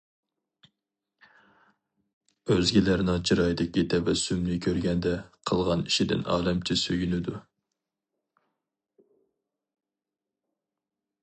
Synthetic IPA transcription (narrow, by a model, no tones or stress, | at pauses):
øzɡʲilæɾnɪŋt͡ʃʰiɾɑjd̪ɪkʲit̪ʰɛvɛsymnɪkʲʰøɾɡʲɛnd̪ɛqʰəlˠʁɑniʃid̪ɪ̰nɑ̰ːlɛmt͡ʃʰɪsøɡʲynɪd̪u